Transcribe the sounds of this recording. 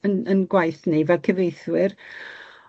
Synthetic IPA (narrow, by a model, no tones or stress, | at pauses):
ənənɡwajθnivɛlˠkʰəvejθwɪr